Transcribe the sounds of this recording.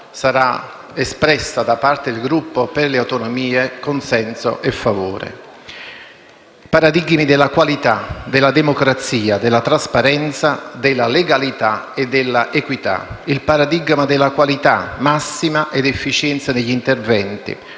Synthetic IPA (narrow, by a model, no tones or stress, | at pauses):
saɾa | espɾɛsːad̪apːart̪ed̪ilɡɾupːoperleawt̪onomiːekonsɛnso̰ʔefːavoːɾḛ | paɾad̪iɡmid̪ɪlːakwalit̪ad̪ɪlːad̪emokɾat̪siːad̪elːat̪ɾaspaɾɛnt̪sad̪ɪlːaleɡalit̪a | ed̪ːɪlːaʔekwit̪a̰ilpaɾad̪iɡmad̪elːakwalit̪a̰masːimaʔed̪efːit͡ʃɛnt̪saneʎːint̪ervɛnt̪ḭ